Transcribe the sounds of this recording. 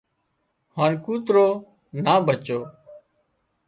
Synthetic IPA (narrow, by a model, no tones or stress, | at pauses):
haːnkuːt̪ɾoː | naːbʱət͡ʃoː